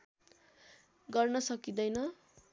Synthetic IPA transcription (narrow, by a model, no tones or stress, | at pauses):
ɡʌrnʌsʌkid̪ʌjnʌ